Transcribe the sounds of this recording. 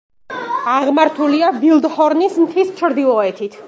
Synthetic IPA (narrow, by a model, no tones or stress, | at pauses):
aʁmaɾt̪ʰuliavilˠd̪hɔɾnismt̪ʰist͡ʃʰɾd̪ilˠɔɛt̪ʰit̪ʰ